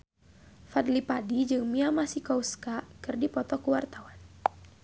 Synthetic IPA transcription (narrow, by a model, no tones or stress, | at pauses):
fad̪lipadid͡ʒɨŋmiamasikɔuskakɨrdipɔt̪ɔkuwart̪awan